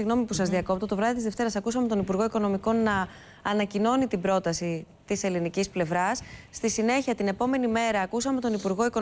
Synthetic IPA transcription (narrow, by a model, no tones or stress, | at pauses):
iɣno̞mipusɐzðiɐko̞pt̪ot̪o̞vɾɐðit̪izðeft̪e̞ɾɐsɐkusɐme̞t̪o̞nipuɾɣo̞iko̞no̞miko̞nːɐː | nɐcino̞nit̪ibɾo̞t̪ɐsi | t̪ise̞linicisple̞vɾɐsːt̪isine̞çiɐt̪ine̞po̞me̞nime̞ɾɐːkusɐme̞t̪o̞nipuɾɣo̞iko̞